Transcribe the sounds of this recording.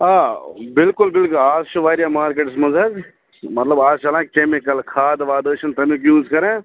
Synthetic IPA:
aːbɪlkʊlbɪlkʊlaːzt͡ʃʰuʋaːɾjamaːɾkeːʈsmɐzɐɡ | mɐt̪lɐbaːzt͡ʃɐlãːkkeːmikəlkʰaːd̪ʋaːd̪əːʃɐnt̪ɐmikjũːzkɐɾẽː

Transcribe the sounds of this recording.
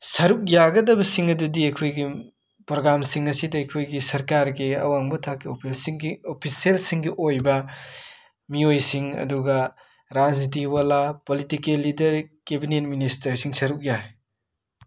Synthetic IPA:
sɐɾuk̚jaɡɐdɐbɐsiŋɐdudiɐjkʰojɡi | pɾoɡɾamsiŋɐsidɐɐjkʰojɡisɐɾkaɾɡiɐ̰waŋbɐtʰakːio | opʰiselsiŋɡiʔojbɐ | miojsiŋɐ̰duɡɐ | ɾad͡ʒnit̬iwalapolitikelːidɐɾkebinet̚ministɐɾsiŋsɐɾuk̚ja

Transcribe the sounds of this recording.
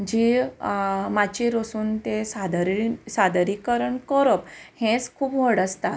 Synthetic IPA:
d͡ʑi | mat͡ɕiɾosuːnt̪esad̪ɾisad̪ɾikəɾəɳkɔɾəphẽt͡skʰuːpʋəɽəst̪a

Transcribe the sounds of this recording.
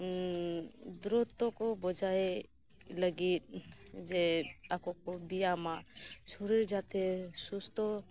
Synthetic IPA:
d̪ɾɔt̪ɔkɔbɔd͡ʒaje | ləɡit̪̚d͡ʒɛakɔkɔbijamasɔɾiɾd͡ʒat̪ɛsust̪ʰɔ

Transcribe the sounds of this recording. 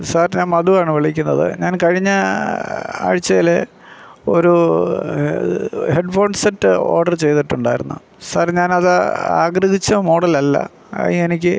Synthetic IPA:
saːrɲaːnmɐðuaːɳɨʋiɭikʲːunːɐðɨ̰ɲaːnkɐɻiɲːɐ | a̰ːɻit͡ɕːɐjile | o̞̰ɾu | heɖfo̞ːɳɖseʈːɨo̞̰ːrɖɐrt͡ɕe̞jt̪iʈːuɳɖa̰ːjiɾunːṵ | saːrɲaːnɐðaa̰ːɡrɐɦit͡ɕːɐmo̞ːɽɐlɐlːɐ̰ | ɐ̰ienik̬ʲːɨ

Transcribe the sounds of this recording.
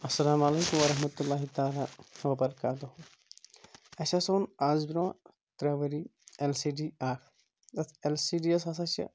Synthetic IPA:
ɐsːɐlaːmɐleːkumʋɐɾɐɦmɐt̪ulːaːɦit̪aːlahɐʋɐbɐɾɐkaːt̪oɦu | ɐsasoːnaːzbiɾɐwa | t̪ɾaːʋɐɾiːelsiːɖiːaːk̪ʰ | ɐt̪ʰelsiːɖiɐsasɐsɐ̰

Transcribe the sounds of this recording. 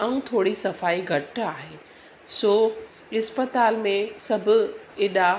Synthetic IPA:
ɐ̃ũt̪ʰoːɽisɐfaːiɡʱɐʈaːɦeː | soː | ɪspət̪aːlmẽsɐbʱʊ̆ɪːɗa

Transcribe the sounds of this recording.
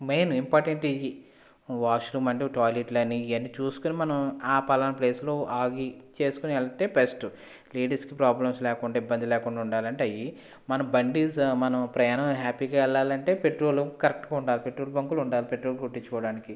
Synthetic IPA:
meːnimpaːɾʈeɳʈid͡ʒi | ʋaːʂlumɐɳɖiʈaːleʈlɐnːiɐnːit͡ʃuːsu̥kunimɐnɐmaːpɐlɐnɐple̞ːslo̞ːaːɡit͡ʃe̞ːsu̥kuniɛlɐt̪e̞ːbesʈu | liːɖɐɾskipɾaːblɐmslɛːkuɳɖaːibːɐnd̪ilɛːkuɳɖaːuɳɖaːlɐɳʈeɐji | mɐnɐmbɐɳɖismɐnɐmpɾɛjaːnɐmɦaːpiːɡaːɛɭːaːlɐɳʈe̞ːpe̞ʈɾo̞ːlukɐɾek̚ʈuɡaːuɳɖaːlipe̞ʈɾoːlbɐŋkuluɳɖaːlipe̞ʈɾoːlɡuʈːiɲt͡ʃːukɔːɐɽaːniki

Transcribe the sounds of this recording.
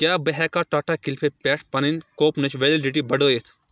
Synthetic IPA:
kjaːbɐɦɛːkaːʈaːʈakilpʰepʲɛːʈʰpɐninkoːpnɐt͡ʃʰʋelɖiʈibɐɖoːjet̪ʰ

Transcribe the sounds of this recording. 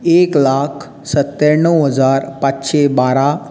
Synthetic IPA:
eklaːkʰ | sət̪ːəɾɳəwɦəd͡zaɾpat͡ɕɕebaɾa

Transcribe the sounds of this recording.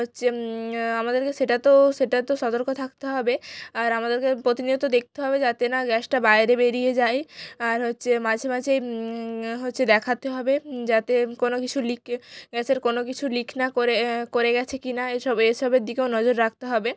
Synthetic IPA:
ɦotːɕʰeamad̪eɾkeʃeʈat̪oʃeʈat̪oʃɔt̪oɾkot̪ʰak̚t̪eɦɔbeaɾamad̪eɾkepɾot̪inid̪ot̪od̪ek̚ʰt̪eɦɔbed͡ʑat̪enaɡɛsʈabaeɾebeɾijed͡ʑajaɾɦotːɕʰemad͡ʑʱemad͡ʑʱej | ɦotːɕʰed̪ɛkʰat̪eɦɔbed͡ʑat̪ekonokit͡ɕʰulikʰɡɛt͡ɕʰeɾkonokit͡ɕʰulikʰnakoɾekoɾeɡɛt͡ɕʰekinaeʃɔbeʃɔbeɾd̪ikeonɔd͡ʑoɾːak̚t̪eɦɔbe

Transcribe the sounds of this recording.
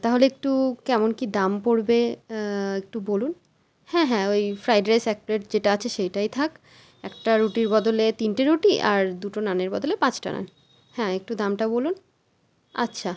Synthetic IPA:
t̪aɦoleek̚ʈukɛmonkid̪ampoɾbe | ek̚ʈubolun | hɛ̃ɦɛ̃ojfɾajɖeɾesɛk̚pleʈd͡ʑeʈaat͡ɕʰeʃejʈajt̪ʰak | ɛkʈaɾuʈiɾbɔd̪olet̪inʈiɾuʈiʔaɾd̪uʈonaneɾbɔd̪olepãt͡ɕʈa̰na̰n | hɛ̃ek̚ʈud̪amʈabolun | a̰tːɕʰa

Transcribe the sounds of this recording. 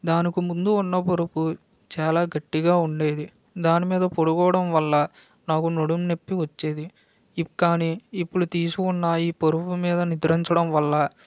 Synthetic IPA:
d̪aːnikumund̪uːnːɐpoɾupu | t͡ʃaːlaːɡɐʈːiɡaːuɳɖe̞ːd̪i | d̪aːnimiːd̪ɐpoɽukɔːɐɽɐmʋɐlːɐ | naːkunoɽumnepːiʋɐt͡ʃːe̞ːd̪i | kːaːniːpːuɽut̪iːsukunːaːiːpoɾupumiːd̪ɐnid̪ɾɐɲt͡ʃɐɽɐmʋɐlːɐ

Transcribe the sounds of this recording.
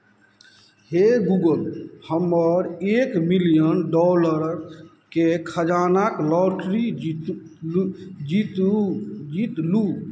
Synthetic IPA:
heɡuɡəlhəməɾekmilijənɖɔləɾɾ | kekʰəd͡ʒanaklɔʈɾi | d͡ʒit̪ | d͡ʒit̪lu

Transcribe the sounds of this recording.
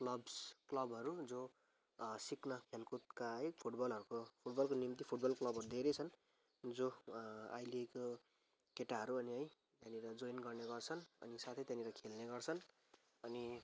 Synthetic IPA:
klʌbsklʌbɦʌɾud͡zo | siknʌkʰelkut̪̚kaekpʰuʈbʌlɦʌɾukopʰuʈbʌlkonimt̪ipʰuʈbʌlklʌbʱʌɾud̪ʱeɾʌt͡sʰʌn | d͡zoa̰jleko | keʈaɦʌɾuʌniɦʌj | t̪janiɾʌd͡zojnɡʌrneɡʌrt͡sʰʌnʌ̰nisat̪ʰʌjt̪janiɾʌkʰelneɡʌrt͡sʰʌn | ʌni

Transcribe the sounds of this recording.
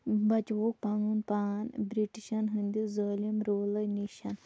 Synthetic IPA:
bɐt͡ʃʋok̚paŋunpanbɾiʈiɕanɦənd̪izəːlimɾoːləjniɕan

